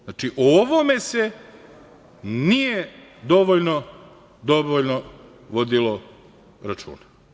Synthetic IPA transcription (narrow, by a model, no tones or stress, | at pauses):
nat͡ʃiʔooʋome̞se | nijed̪o̞ʋoʎno | d̪o̞ʋoʎno | ʋo̞d̪ilo | ɾat͡ʃṵːna